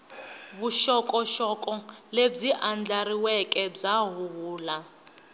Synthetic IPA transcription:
βuʃɔkʼɔʃɔkʼɔleb͡ʐiʔand͡ɮaɾiwɛkʼɛb͡ʐaɦuɦuːla

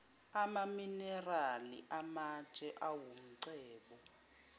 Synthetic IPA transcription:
amaminɛralḭʔamḁt͡ʃʼɛʔawum̩ǀɛːɓɔ

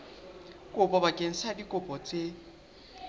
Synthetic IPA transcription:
kʼʊpʼɔbakʼeŋ̩sadikʼʊpʼɔt͡sʼe

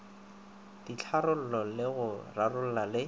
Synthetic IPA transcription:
d̥it͡ɬʰaɾʊl̩lɔlɪɣʊrarʊl̩lalɪ

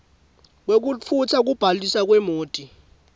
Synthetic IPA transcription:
k̬wek̬ufʰut͡sʰak̬ub̥ʱalisak̬wɛmoːtʼi

